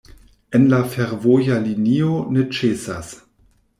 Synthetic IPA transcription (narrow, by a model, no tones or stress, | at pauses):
enlafeɾvojalinionet͡ʃesas